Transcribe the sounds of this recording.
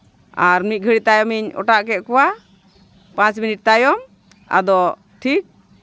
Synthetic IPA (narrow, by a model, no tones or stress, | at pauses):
aɾmit̪̚ɡʱəɽit̪ajɔmiɲɔ̰ʈaʔkɛʔ̪̚kɔwa | pãt͡ʃminiʈ̚t̪ajɔm | a̰d̪ɔ | ʈʰik̚